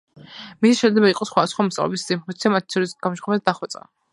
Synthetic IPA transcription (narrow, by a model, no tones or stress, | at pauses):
misiʃɛd̪lɛbaiqʼɔsχwad̪asχwamɔst̪ʼa̰lɛ̰biszimut̪sʰiamat̪ʰit̪sʰɔɾisɡ̥amɔʃχɔmɛsd̪aχwɛt̪sʼa̰